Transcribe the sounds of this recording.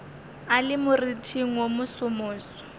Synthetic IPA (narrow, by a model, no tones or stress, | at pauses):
alɪmʊritʰiŋ̩omʊsʊmʊːsɔ̥